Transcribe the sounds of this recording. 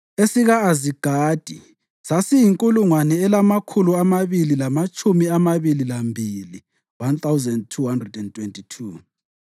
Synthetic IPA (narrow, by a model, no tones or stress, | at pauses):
esiɣaːziɡ̥ʱaːd̥ʱi | sasijiŋkʼuluŋwanɛɛlamakʰuluamaβililamat͡ʃʼumiamaβililambʱili | want̪ʰʼawzɛndtʰuɦandrɛdɛntʰwɛntʼitʰu